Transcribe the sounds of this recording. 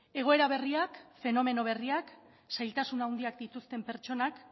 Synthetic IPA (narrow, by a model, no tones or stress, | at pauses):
e̞ɣ̞o̞e̞ɾaβ̞e̞riakfe̞no̞me̞no̞β̞e̞riak | sajlt̪asunawnd̪iakd̪it̪ust̪e̞mpe̞ɾt͡ʃo̞nak